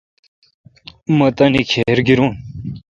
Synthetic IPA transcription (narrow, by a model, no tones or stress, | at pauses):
mɐt̪ɐnikʰeɾɡiɾun